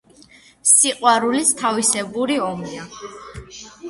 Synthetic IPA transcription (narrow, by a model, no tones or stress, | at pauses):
siqʼwaɾulist̪ʰavisɛbuɾiɔmia